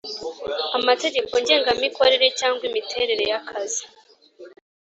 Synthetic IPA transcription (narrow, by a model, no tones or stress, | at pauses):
amate̞ɟe̞ko̞ɲɟe̞ːŋɡamiko̞ɾe̞ɾe̞caːŋɡwimitʰe̞ɾe̞ɾe̞jakʰazi